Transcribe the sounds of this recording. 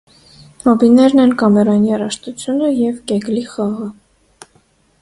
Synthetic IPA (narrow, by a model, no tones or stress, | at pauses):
mɔbinɛɾnɛnkɑmɛɾɑniɑrɑʃt̪ut͡sʰjunəjɛvkɛɡliχɑʁə